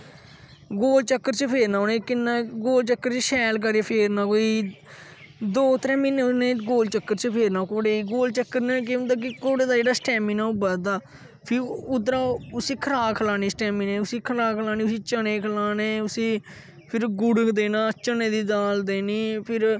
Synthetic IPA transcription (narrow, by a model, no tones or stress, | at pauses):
ɡoːlt͡ʃəkːəɾt͡ʃəpʰeːɾnaːʊnẽːkɪnːãːɡoːlt͡ʃəkːəɾt͡ʃəʃɛːlk̬əɾeːpʰeːɾnaːkoːiː | d̪oːt̪ɾɛ̃ːmɪnːeːʊsneːɡoːlt͡ʃəkːəɾt͡ʃəpʰeːɾnaːkoːɽeːɡoːlt͡ʃəkːəɾneːk̬ɪ̃t̪aːk̬ɪkoːɽeːd̪aːd͡ʒeːɽaːsʈɛːmɪnaːubəd̪aː | pʰɪʊd̪ɾaːʊsiːkʰəɾaːkʰəlaːniːsʈɛːmɪnẽːʊsiːkʰəlaːkʰəlaːniːʊsiːt͡ʃəneːkʰəlaːneːʊsĩː | pʰɪɾɡʊɽkd̪eːnãːt͡ʃənẽːd̪iːd̪aːld̪eːniːpʰɪɾ